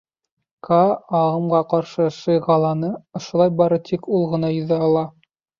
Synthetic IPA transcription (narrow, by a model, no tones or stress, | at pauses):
kʰaɑʁɤ̆mʁɑqɑɾʃɤʃɤjʁɑlˠɑnɤŏʃŏlˠɑjbɑɾɤt̪ʰikʰulˠʁɤ̆nɑjɵ̆ðæɑlˠɑ